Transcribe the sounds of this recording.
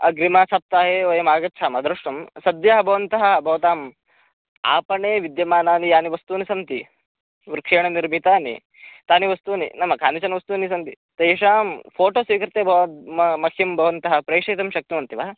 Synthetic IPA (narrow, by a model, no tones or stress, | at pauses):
ɐ̰ɡɾimaːsap̚t̪aːɦeːoːjɐmaːɡɐtːt͡ʃʰaːmɐd̪ɾɐʂʈɐmsɐd̪jaːɦɐbʱɐʋɐnt̪ɐɦɐbʱɐʋɐt̪aːm | a̰ːpɐɳeːʋid̪jɐmaːnaːnijaːniʋɐst̪uːnisɐnt̪i | ʋɾkʂeːɳɐniɾbit̪aːnḭ | t̪aːniʋɐst̪uːnḭnɐmːɐkʰaːnit͡ʃɐnɐʋɐst̪uːnis̬ɐnt̪i | t̪ɐjiʃ̬aːmpʰoːʈoːsʋiːkɾɪt̪eːbʱɐʋmɐkʰjɐmbʱɐʋɐnt̪ɐɦɐ̆pɾɐjʂɐjt̪ɐmʃɐk̚t̪imɐnt̪iʋaːɐ